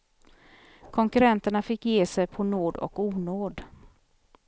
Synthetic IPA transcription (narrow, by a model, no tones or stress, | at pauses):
kʰɔŋkɵɾɛnt̪əɳafɪkːjeːsɛjpʰɔnoːd̪ɔ̰kuːnoːd̪